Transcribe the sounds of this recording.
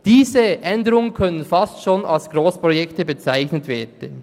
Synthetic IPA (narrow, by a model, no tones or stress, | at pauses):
d̥iːzəʔɛndəʁʊŋənkʰœnənfɑstʃoːnalsɡ̥ɾoːspʁojɛktəbət͡saɪçnətv̥eːd̥n̩